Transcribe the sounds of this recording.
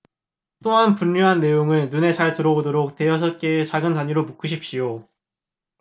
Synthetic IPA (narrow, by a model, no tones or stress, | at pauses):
t͈oɦanpuɲːuɦanːe̞joŋɯɭnune̞t͡ɕaɭtɯɾʌbodoɾok̚te̞jʌs̬ʰʌt̚k͈e̞t͡ɕaɡɯntaɲiɾomuk͈ʰɯɕ̬ʰip̚ɕijo